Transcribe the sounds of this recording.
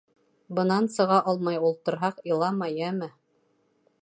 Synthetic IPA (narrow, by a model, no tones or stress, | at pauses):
bɤ̆nɑnsɤ̆ʁɑʔɑlˠmɑjulˠt̪ɤ̆ɾɦɑqilˠɑmɑjæmɘ